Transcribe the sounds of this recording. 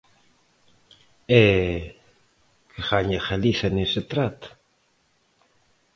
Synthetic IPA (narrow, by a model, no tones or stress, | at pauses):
e | kʰeχaɲaχalisaniset̪ɾat̪ḁ